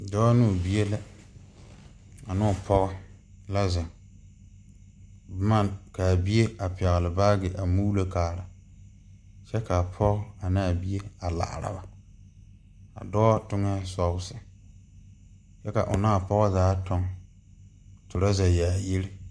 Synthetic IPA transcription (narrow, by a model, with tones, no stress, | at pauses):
dɔː˦nu˦˨bi˦e˦lɪ˦ | a˨nʊ˦ʊ˨pʰɔ˦ɣɔ˦ | la˦za˨ŋ | bma˦˨ka˨bi˦e˦a˨pɛ˨ɣlɪ˨baː˦ɡɪ˨ʔa˨mu˦la˦kaː˨ɾa˨ | t͡ʃɛ˦ka˨pʰɔ˦ɣɔ˦a˨na˦a˨bi˦e˦a˨la̰ː˨ɾa̰˨ba˨ | a̰˨dɔː˦tʊ˦ŋɛ˦sɔ˦bʊ˦sɪ˨ | t͡ʃɛ˦ka̰˨ʔʊ̰˨naː˦˨pɔ˦ɣɔ˦zaː˨˦tɔ˦ŋ | tʊ˨ɾa˦za˨jaː˨je˦lɪ˦